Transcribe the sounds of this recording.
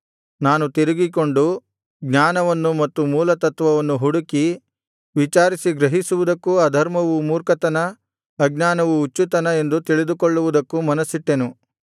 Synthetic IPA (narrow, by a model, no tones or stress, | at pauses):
naːnut̪iɾiɡiko̞ɳɖu | ɡɲaːnɐʋɐnːumɐt̪ːumuːlɐt̪ɐt̪ʋɐʋɐnːuɦuɽuki | ʋit͡ʃaːɾisiɡɾɐɦisuʋud̪ɐkːuɐd̪ʱɐɾmɐʋumuːɾkɐt̪ɐnɐː | ɡ̚naːnɐʋuːt͡ʃːut̪ɐnɐe̞nd̪ut̪iɭid̪ukoɭːuʋud̪ɐkːumɐnɐsiʈːenu